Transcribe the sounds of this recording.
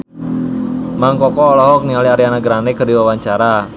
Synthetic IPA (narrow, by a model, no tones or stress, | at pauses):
maŋkɔkɔːlɔɦɔk̚nialiaɾianaɡɾanɛkərdiwawaɲt͡ʃaɾa